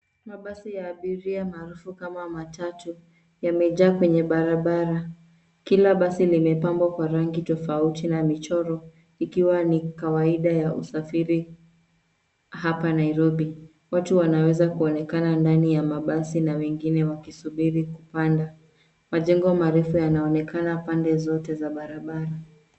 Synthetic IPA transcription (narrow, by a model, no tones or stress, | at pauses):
maɓasijaːɓiɾiamaːɾufukamamatatu | jamɛʄaːkwɛɲɛɓaɾaɓaɾa | kilaɓasilimɛpambwakwaɾaŋɡitɔfautinamit͡ʃɔɾɔ | ikiwanikawaiɗajaṵsafiɾi | hapanaiɾɔɓi | watuwanawɛzakuɔnɛkanandanijamaɓasinawɛŋɡinɛwakisuɓiɾikupanda | maʄɛŋɡɔmaɾɛfujanaɔnɛkanapandɛzɔtɛzaɓaɾaɓaɾa